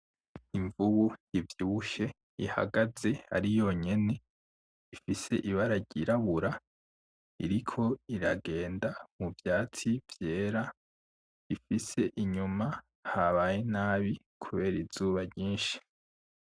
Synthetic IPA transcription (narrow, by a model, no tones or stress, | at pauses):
iɱvuβujivjiβuʃe̞ | iha̰ɡaze̞a̰ɾijo̞ɲe̞ne̞ | ifise̞ʔiβaɾaɟiɾaβuɾa | ḭɾikʰo̞iɾaɡe̞ːndamuvjaːt͡sivje̞ːɾa | ifise̞ʔiɲuma | haβajenaːβi | kʰuβe̞ːɾiz̥uːβaɾɲiːnʃi̥